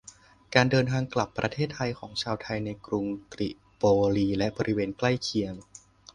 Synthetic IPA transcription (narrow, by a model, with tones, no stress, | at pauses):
kaː˧ndɤː˧nt̪ʰaː˧ŋkla˨˩pːɾa˧t̪ʰeː˥˩t̪ʰːa˧jkʰɔː˩˦ŋt͡ɕʰaː˧wt̪ʰa˧jna˧jkɾu˧ŋt̪ɾi˨˩ʔ | poː˧ɾiː˧lɛ˦˥bɔː˧ɾi˦weː˧nkla˥˩jkʰi˧əm